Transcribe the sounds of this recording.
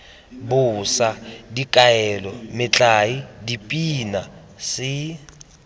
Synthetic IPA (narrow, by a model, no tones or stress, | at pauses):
bʊːsadikʼaɛlɔmɪt͡ɬʼaidipʼina | sɪ